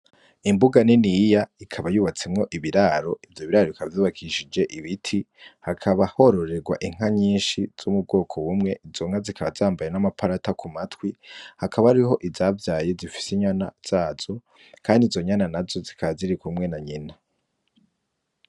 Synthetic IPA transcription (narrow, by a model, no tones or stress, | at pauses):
imbuɡaninijaikʰaβajuːβat͡semŋo̞ʔiβiɾaɾo̞ivjoβiɾaɾoikʰaβavjuːβakʰiʃid͡ʒe̞ʔiβitʰi | hakʰaβaho̞ɾo̞ɾe̞ɡwa̰ʔiŋ̥ɦaɲiːnʃiz̥umub̚ɡo̞ːkʰo̞wumŋe̞ʔizo̞ŋ̥azikʰaβazaːmbajenamapʰaɾatakʰumatwihakʰaβaɾiɦo̞ʔizaːvjaːje̞zifi̥siɲanaz̥aːz̥o̞ | kʰaːndizo̞ɲananazo̞zikʰaβaziɾikumŋe̞naɲina